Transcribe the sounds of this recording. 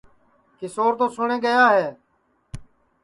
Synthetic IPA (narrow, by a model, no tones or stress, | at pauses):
kɪsoːɾt̪oːsʊɳẽːɡəjaːɦeː